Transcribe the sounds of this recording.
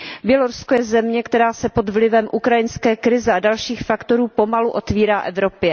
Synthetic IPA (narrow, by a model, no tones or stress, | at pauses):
bjɛloɾusko̞jɛzɛmɲɛkt̪ɛɾaːsɛpod̪vlɪvɛmʔukɾajɪnskɛːkɾɪzɛadalʃiːxfakt̪o̞ɾuːpo̞maluʔo̞t̪viːɾaːʔɛvɾo̞pjɛ